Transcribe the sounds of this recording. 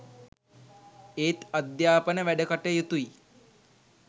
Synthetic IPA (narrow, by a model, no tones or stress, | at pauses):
eːt̪əd̪jaːpənəʋɛɖəkəʈejət̪ui